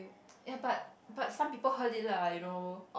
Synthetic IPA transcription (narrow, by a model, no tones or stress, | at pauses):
jabat̚batsãmpipəɦəldɪt̚lajuno